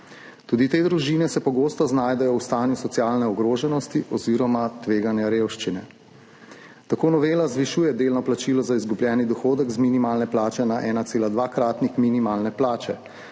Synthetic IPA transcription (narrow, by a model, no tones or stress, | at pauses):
t̪uːd̪it̪eːd̪ɾuʒiːnɛsɛpɔɡoːst̪ɔznaːjd̪ɛjɔwst̪aːnjusɔt̪jaːlnɛɔɡɾoːʒɛnɔst̪iʔɔziɾɔmat̪ʋeːɡanjaɾewʃt͡ʃinɛ | t̪akoːnɔʋeːlazʋiʃuːjɛd̪eːlnɔplat͡ʃilɔzaizɡubljɛːnid̪ɔxoːd̪ɛkzminimaːlnɛplaːt͡ʃɛnaʔɛːnaseːlad̪ʋaːkɾaːt̪nixminimaːlnɛplaːt͡ʃɛ